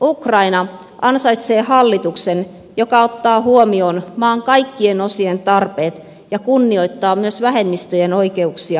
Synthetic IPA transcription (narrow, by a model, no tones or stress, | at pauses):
ukrɑinɑ | ɑnsɑjt̪seːhɑlːit̪uksen | jo̞kɑo̞t̪ːɑːhuomioːnmɑːŋkɑjkːieno̞sient̪ɑrpe̞ːt̪ | jɑkunːio̞jt̪ːɑːmyøsʋæɦe̞mːist̪øjeno̞ike̞uksiɑ